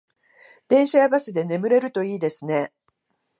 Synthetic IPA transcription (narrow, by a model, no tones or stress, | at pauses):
d̪̥ẽ̞ɰ̃ɕajaɡasɨd̪e̞ne̞mɯ̟ɾe̞ɾɯ̟t̪o̞iːd̪e̞sɨne̞